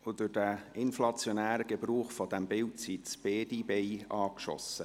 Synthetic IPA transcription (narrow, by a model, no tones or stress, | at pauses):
ʊd̥ʊd̥æɪnflɑt͡sjonæːɾəɡ̥əbɾuːχfɔd̥̪æmbɪltsitt͡sb̥eːdibejɑːkʃɔ̰sə